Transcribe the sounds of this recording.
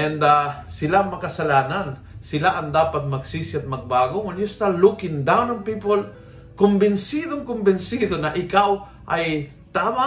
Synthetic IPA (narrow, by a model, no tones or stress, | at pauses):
ʔɛnd̪asɪlaŋmɐkɐsɐlaːnansɪlaʔɐŋd̪aːpat̪̚mɐɡsiːsɪɐt̪̚mɐɡ̚baːɡoŋʊnjʊst̪alukɪnd̪awnɐŋpiːpol | kʊmbɪnsid̪oŋkʊmbɪnsiːd̪onɐʔɪkaw | ʔɐj | t̪ama